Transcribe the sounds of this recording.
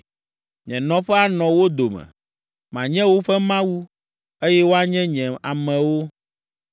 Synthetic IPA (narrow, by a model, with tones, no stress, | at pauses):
ɲɛ̃˨nɔ̃˨ɸɛ˦a˨nɔ̃˨wo˦d̪o˨mɛ̰̃˨ | mã˨ɲɛ̃˦wo˦ɸɛ˦mã˦wu˦ | e˦jɛ˦wo˦a˦ɲɛ̃˦ɲɛ̃˨a˨mɛ̃˨wo˦